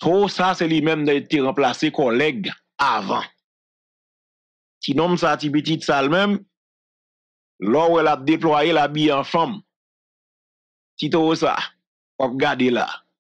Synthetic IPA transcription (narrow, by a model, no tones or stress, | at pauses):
t̪ʰoosasɛlimɛ̃md̪ãit̪eɣãplasekɔlɛɡ | avã̰ | tinɔ̃msaːtipitit̪salmɛ̃m | lɔwɛlap̚d̪eplwajelabiãfʌ̃m | tit̪osa̰ | wap̚ɡadela̰